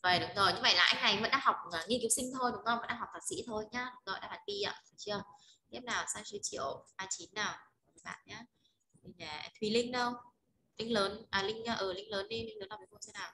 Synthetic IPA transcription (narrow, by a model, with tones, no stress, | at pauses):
zəː˨˩jɗɨ˨˩k̚zo˨˩jɲɨ˧ŋvə̰˧˨jla̰ː˧˨˦k̚na˨˩jvə̰˧˨nɗaː˧˥ɦa˨˩wk͡p̚aː˨˩ŋi˧ki˨˦wsï˧ŋ̟t̪ʰo˧jɗʊ˨˦ŋ͡mɔ˧mə̰˧˨nɗaː˧ɦk͡p̚t̪aː˨˩t̚sḭ˧˥t̪ʰo˧jɲaː˧ɨ˨˩ŋzɔ̰˨˩jɗaː˧˥˩aː˨˩t̚ɗi˧a̰ː˧˨a˨˩t͡ɕɨ˧ə | t̪i˦˥p̚naː˨˩wsaː˧sɨ˧˦t͡ɕḭ˧˨əwʔaː˧t͡ɕi˨˦nːaː˨˩wəː˨˩jɓa̰ː˧˨nɲaː˧ | i˨˧˩ɛ˨˩t̪ʰwi˨˦lï˧ŋ̟ɗə˧w | lï˧ŋ̟ləː˨˦nʔaː˨˩lï˧ŋ̟a˨˧˩ʔəː˨˩lï˧ŋ̟ləː˨˦nɗi˧li˧ŋləː˨˦naː˨˩ə˨˦ko˧˩sa˧˦naː˨˩w